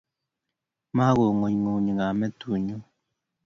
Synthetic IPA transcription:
ma˦ɣo˨ŋo˨ɲŋo˨ɲi˨ŋa˨mɛ˦tu˨ɲu˦

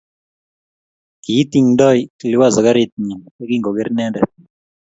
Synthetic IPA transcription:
ki˨˦t̪i˦ŋdɔ˦ji˨lɪ˦wa˦˨zɔ˨ka˦ɾɪt̪̚ɲi˨ne˦ki˦ŋɡo˨ɡe˦ɾnɛ˦dɛ˨

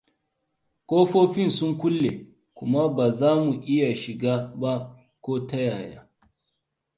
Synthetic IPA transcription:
kʷoː˦ɸoː˦ɸɪ˦nsʊ˦ŋkʷʊ˦lːe˨ | kʷʊ˦ma˦baː˨zaː˦mu˨ʔɪ˦ja˨ʃɪ˨ɡaː˦ba˦ | kʷoː˦ta˦jaː˨ja̰ː˦

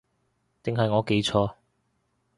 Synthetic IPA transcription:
t̪ɪ˨ŋɦɐ˨jŋɔː˨˧ke˨˥jt͡ʃʰɔː˧

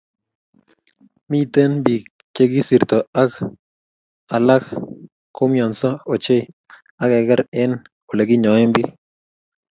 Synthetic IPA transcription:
mi˦t̪e˦nbi˨ | t͡ʃe˦ɡɪ˦si˨ɾt̪ɔ˨a˦k | a˨la˦k | ko˦mjɔ˨nsɔ˦o˨t͡ʃe˦ | a˦kɛ˨ɡɛ˦ɾɛ˦n | o˨le˨ɡɪ˦ɲɔ˨ɪ˦mbi˦

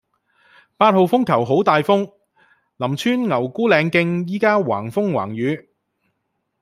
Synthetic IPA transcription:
paː˧t̚ho˨˧wfʊ˥ŋkʰɐ˨˩wɦo˨˥wt̪aː˨jfʊ˥ŋ | lɐ˨˩mt͡ʃʰyː˥nŋɐ˨˩wkuː˥lɛː˨˧ŋkɪ˧ŋjiː˥kaː˥wa̰ː˨˩ŋfʊ˥ŋwa̰ː˨˩ŋjyː˨˧˥

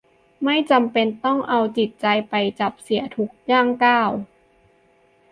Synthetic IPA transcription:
ma˥˩jt͡ɕa˧mpe˧nt̪ɔ˥˩ŋʔa˧wt͡ɕi˨˩t̪̚t͡ɕa˧jpa˧jt͡ɕa˨˩p̚si˩˦ɐt̪ʰu˦˥k̚jaː˥˩ŋkaː˥˩w

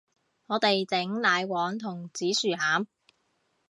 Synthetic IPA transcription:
ŋɔː˨˧t̪e˨jt͡sɪ˨˥ŋlaː˨˧jwɔː˨˥ŋt̪ʰʊ˨˩ŋt͡siː˨˥syː˨haː˨˥m

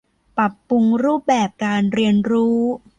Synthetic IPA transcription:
pɾa˨˩pːu˧ŋɾuː˥˩p̚bɛː˨˩p̚kaː˧nɾi˧ənɾuː˦˥

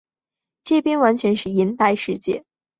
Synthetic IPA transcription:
ʈ͡ʂɤ˥˩pjɛ˥nwa˧˥nt͡ɕʰɥɛ˧˥nʂɻ̩˥˩i˧˥nt̪a˥˧ɪʂɻ̩˥˧t͡ɕjɛ̰˥˩

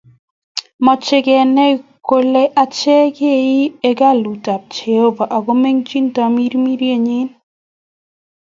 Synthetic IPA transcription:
mɔ˨t͡ʃɪ˦kɛ˨nɛ˦˨ko˦le˦ʔa˦t͡ʃɛ˦ke˦˨i˦e˦ɡa˦˨lu˨ta˨p̚t͡ʃe˨o˦ba˨ʔa˨ɡo˦me˦ŋt͡ʃi˦nta˨mi˦ɾmi˦ɾje˦˨ɲɪ˦n

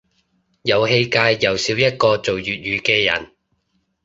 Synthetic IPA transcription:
jɐ˨˧wɦe˧jkaː˧jːɐ˨˩wsiː˨˥wjɐ˥t̚kɔː˧t͡so˨wjyː˨t̚jyː˨˧kɛː˧jɐ̰˨˩n

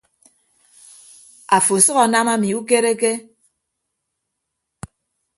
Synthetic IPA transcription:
a˨fo˨sʌ˦ɣa˨na˦ma˦mi˨u˦ke˦ɾe˦ke˦

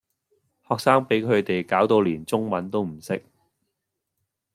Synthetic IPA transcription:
hɔː˨k̚saː˥ŋpe˨˥jkʰɵ˨˧ɥt̪e˨jkaː˨˥wt̪o˨˧wliː˨˩nt͡sʊ˥ŋmɐ˨˥nt̪o˥wm̩˨˩sɪ˥k̚

